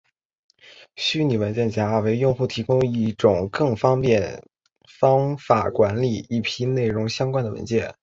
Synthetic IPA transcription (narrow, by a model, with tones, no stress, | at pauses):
ɕy˥ni˨˩wə˧˥nt͡ɕjɛ˥˩nt͡ɕja˧˥˧we˧˥ɪjʊ˥˧ŋxu˥˩t̪ʰi˧˥kʊ˥ŋi˥˩ʈ͡ʂʊ˨˩ŋkɤ˥˩ŋfɑ˥ŋpjɛ˥˩n | fɑ˥ŋfa˨˩kwa˧˥nli˨˩i˥˩pʰi˥ne˥˩ɪɻʊ˧˥ŋɕjɑ˥ŋkwa˥nd̪ə˨wə̰˧˥nt͡ɕjɛ̰˥˩n